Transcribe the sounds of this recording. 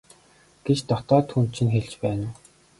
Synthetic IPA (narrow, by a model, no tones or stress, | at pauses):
ɡ̥et͡ɕt̪ɔt̪ɔːt̪ʰːuːnt͡ɕʰĭnxeɮt͡ɕpæːnː